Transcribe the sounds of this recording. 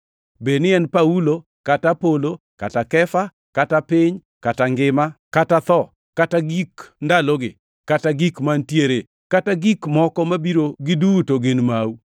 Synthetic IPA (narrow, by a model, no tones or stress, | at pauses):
benɪɛnpaulo | katapolo | katakɛfa | katapɪɲ | kataŋɡɪmakatat̪ɔ | kataɡikndaloɡɪ̰ | kataɡikmantjeɾe | kataɡikmɔkɔmabiɾoɡɪduːtoɡɪnmawu